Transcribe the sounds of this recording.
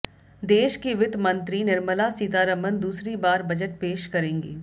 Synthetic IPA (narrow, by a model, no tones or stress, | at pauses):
d̪eːʃkiʋɪd̪ʱmɐ̃nt̪ɾinɪɾməlasiːt̪aːɾəmənd̪uːsɾibaːɾbɐd͡ʒəʈ̚peːʃkɐɾẽːŋɡḭː